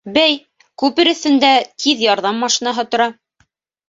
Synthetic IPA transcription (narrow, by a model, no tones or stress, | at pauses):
bæj | kʉpɘɾɘ̆θɘ̆nd̪æt̪ʰiðjɑɾðɑmːɑʃinɑɦɤt̪ŏɾɑ